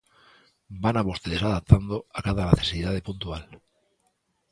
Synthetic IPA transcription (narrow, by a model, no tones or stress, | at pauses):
banaβost̪eðesaðap̚t̪and̪oakaðanaθesiðaðe̞punt̪ual